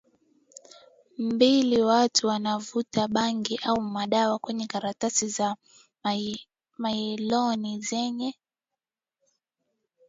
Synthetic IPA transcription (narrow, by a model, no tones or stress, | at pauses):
mm̩biliwatʰuwanavutaɓaŋɡiʔaumaɗawakwɛɲɛkaɾatasiza | mailɔnizɛɲɛ